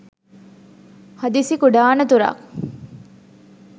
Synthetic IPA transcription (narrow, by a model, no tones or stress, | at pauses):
hɐd̪isikuɖaːnɐt̪uɾa̰k